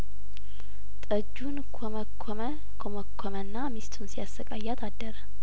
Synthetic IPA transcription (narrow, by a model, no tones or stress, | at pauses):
t̪ʼəd͡ʒːunkʰo | kʰoməkʷʰːomənːamist̪ʰunsijasːəkʼajːat̪ʰad̪ːəɾə